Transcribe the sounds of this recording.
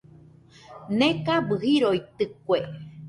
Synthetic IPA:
nẽkabɨhiɾojt̪ɨkʷe

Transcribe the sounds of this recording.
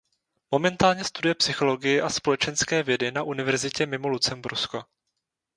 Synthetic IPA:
mo̞mɛnt̪aːlɲɛst̪udʊjɛpsɪxo̞lo̞ɡɪjɪʔaspo̞lɛt͡ʃɛnskɛːvjɛdɪnaʔunɪvɛɾzɪcɛmɪmolut͡sɛmbuɾsko

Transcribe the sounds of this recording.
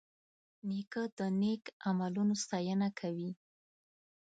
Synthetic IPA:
nekəd̪̥ənekamalunost̪ɑjənakʰawi

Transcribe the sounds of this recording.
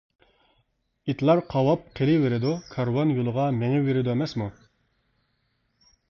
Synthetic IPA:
it̪lˠɑɾqʰɑwɑp̚qʰelɪveɾɪd̪ukʰɑɾwɑnjolˠəʁɑmeŋɛveɾɪd̪uæmɛsmu

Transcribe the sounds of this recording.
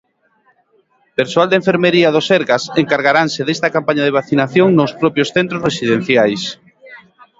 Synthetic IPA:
peɾsoald̪ẽɱfeɾmeɾiɐðoseɾɣaseŋkaɾɣaɾanseðest̪ɐkampaɲaðeβ̞aθinaθjoŋnospɾɔpɾjosθent̪ɾozresiðen̟θjajs

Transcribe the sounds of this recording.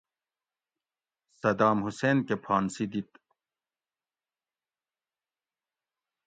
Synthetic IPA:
sɐd̪aːmɦuseːnkepʰaːnsid̪it̪

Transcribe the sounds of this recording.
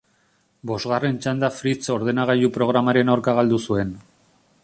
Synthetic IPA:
bo̞zɣare̞nt͡ʃand̪afɾit͡so̞ɾðe̞naɣ̞ajupɾo̞ɣ̞ɾamaɾe̞nawɾkaɣald̪usue̞n

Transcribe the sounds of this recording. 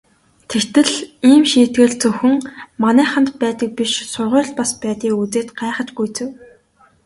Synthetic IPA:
t̪ʰekt̪ɘ̆ɮiːmʃiːt̪̚ɡɘ̆ɮt͡sɵxɵ̆ŋmanæːχə̆nt̪pæːt̪ə̆k̚piʃsʊrʁʊːɮpaspæːt̪iːkut͡seːt̪ɢaːχə̆t͡ɕɡujt͡sɘ̆w

